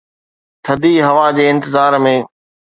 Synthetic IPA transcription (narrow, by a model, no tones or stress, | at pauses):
t̪ʰɐd̪iːɦɐʋad͡ʑeːɪ̃nt̪ɪzaːɾmẽː